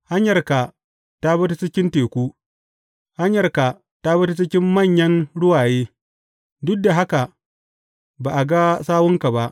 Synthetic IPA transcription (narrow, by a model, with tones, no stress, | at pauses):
ha˦ɲjɐ˨rka˨ | ta˦bɐ˦t̬u˦t͡ʃɪ˦kʲɪ˦nteː˨kʷuː˦ | ha˦ɲjɐ˨rka˨ | ta˦bɐ˦tu˦t͡ʃɪ˦kʲɪ˦mːɐ˦˨ɲjɐ˦nɽʊ˦waː˨jeː˦ | dʊ˦k̚da˨ɦa˦ka˨ | baː˨ʔa˨ɡa˦saː˦wʊ˦ŋka˨ba˦ʔ